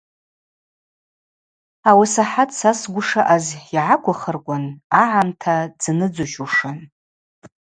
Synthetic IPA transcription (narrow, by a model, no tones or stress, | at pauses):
awasaħatʰʼsasɡʷʊʂaʔaziʕakʷʰaχərkʷʼanaʕantʰad͡znɨd͡zuʃuʂɨn